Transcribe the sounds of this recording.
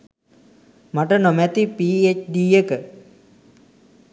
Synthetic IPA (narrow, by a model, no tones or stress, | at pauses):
maʈənomæt̪ipiːet͡ʃɖiːjəkə